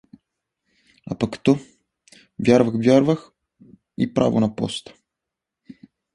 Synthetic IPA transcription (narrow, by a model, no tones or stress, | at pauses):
a̰pakt̪ɔ | vʲjaɾvɐxvʲjaɾvəx | ipɾa̰vo̰nɐpɔ̰st̪ə̥